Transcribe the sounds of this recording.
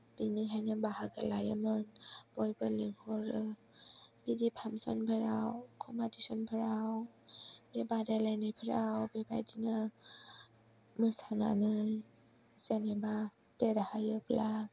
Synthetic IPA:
b̥iniɦajnabahaɡalaja̰mɯnb̥ɔjbɯliŋhɔɾɯ | b̥idipʰamsɔ̰npʰəɾawkʰɔmadisɔnpʰəɾaw | b̥ebadalanajpʰəɾawbeba̰jdinɯ | mɯsaŋa̰nɯ | zeneba | dedahajɯpʰla

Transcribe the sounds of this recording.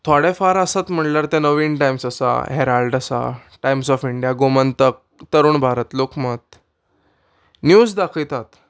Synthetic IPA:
t̪ʰoaɽefaɾəsat̪m̤əɳljaɾt̪ɛ̃nəʋiːnʈajmsasa̰ɦeɾalɖasa̰ʈajmsɔfiɳɖijaɡomənt̪ək̚t̪əɾuːɳbʱaɾət̪lokmət̪ | njusd̪akʰət̪at̪

